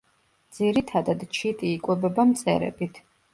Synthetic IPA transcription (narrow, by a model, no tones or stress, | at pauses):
d̪z̥iɾit̪ʰad̪ad̪t͡ʃʰit̪ʼiːkʼwɛbɛbamt̪sʼɛ̰ɾɛ̰bit̪ʰ